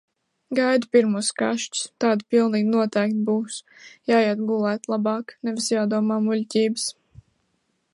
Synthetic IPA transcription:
ɡajd̪upiɾmuːska̰ʃt͡ʃst̪aːd̪pilˠniːɡnuɔt̪ɛjkt̪̚buːs | jaːjɛd̪ɡulˠɛːt̪lˠabɑːknɛvʲisjaːd̪uɔmaːmulʲcʲiːbɨs

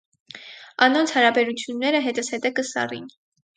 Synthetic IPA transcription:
ɑnɔnt͡sʰhɑɾɑbɛɾut͡sʰjunːɛɾəɦɛt̪əsɛt̪ɛkəsɑ̰rḭn

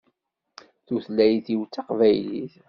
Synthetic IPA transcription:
θuθlːæjθiwt͡sːɑqvæjlḭθ

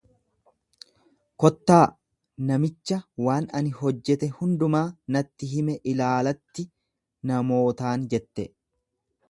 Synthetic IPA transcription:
kɔt̪ːaː | nɐmɪt͡ʃːɐwaːnɐnɪhɔd͡ʒːɛt̪ɛhʊnd̪ʊmaːnɐt̪ːɪɦɪmɛʔɪlaːlɐt̪ːɪ | nɐmo̞ːt̪aːnd͡ʒɛt̪ːɛ

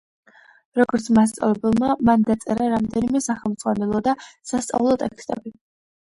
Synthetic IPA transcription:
ɾɔɡɔɾt̪sʰmast̪sʼa̰vɛbɛlˠmamand̪at̪sʼɛɾaɾamd̪ɛnimɛsaχɛlˠmd̪z̥ʼʁwanɛlˠɔd̪asast̪sʼa̰vulˠɔt̪ʼɛkst̪ʼɛ̰bi

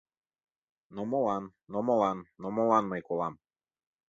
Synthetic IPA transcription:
nɔmolˠanːɔmolˠanːɔmolˠanmajkolˠam

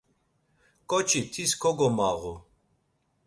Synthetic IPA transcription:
kʼɔt͡ʃʰʼit̪ʰiskʰɔɡɔmaɣu

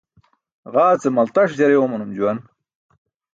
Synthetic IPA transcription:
ʁaːt͡semɐlt̪ɐʂd͡ʑɐɾewomɐnumd͡ʑuwɐn

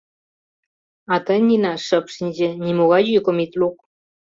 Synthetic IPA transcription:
ɑt̪ənʲinɑʃə̆pʃinʲd͡ʑĕnʲimoɣɑjykomit̪luk̚

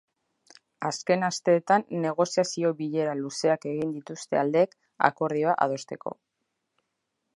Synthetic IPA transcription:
aske̞nast̪e̞ːt̪anːe̞ɣ̞o̞siasio̞βiʎe̞ɾaluse̞ake̞ɣind̪it̪ust̪e̞ald̪e̞ːk | a̰ko̞ɾðiaʔa̰ð̞o̞st̪e̞ko̞̰

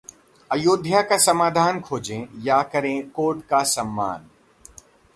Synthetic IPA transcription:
ɐjoːd̪ʱjakasɐmaːd̪ʱaːnkʰoːd͡ʑẽjaːkɐɾẽkoːʈkasɐmːa̰ːn

